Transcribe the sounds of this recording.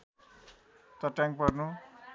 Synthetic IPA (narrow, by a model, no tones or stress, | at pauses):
t̪ʌʈjaŋpʌrnu